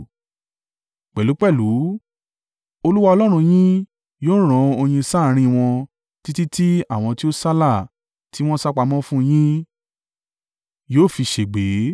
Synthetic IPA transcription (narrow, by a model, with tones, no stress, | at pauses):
k͡pɛ˨lu˨˦k͡pɛ˦˨lu˨˦ | o˧lu˦wa˧ɔ˧lɔ˦ɾ̃ũ˧j̃ĩ˦ | joː˦ɾ̃ɔ̃˧o˧j̃ĩ˧sa˦˨ɾ̃ĩ˦˧w̃ɔ̃˧ | ti˦ti˦ti˦a˦˨w̃ɔ̃˧ti˦o˦sa˦la˦˨ | ti˦w̃ɔ̃˦sa˦k͡pa˧mɔ̃˦fũ˦˧j̃ĩ˦ | joː˦˨fi˧ʃe˨ɡ͡be˨˦